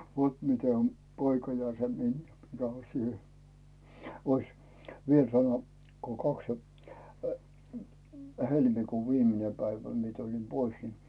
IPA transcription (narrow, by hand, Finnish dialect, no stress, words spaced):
ʋot mite om poikɑ jɑ se minjæ mikæ on̞ siːhe ois ʋiel sɑno ko kɑks jɑ helmikuːʋ ʋiːmine pæiʋæ miĕ tulin pois ni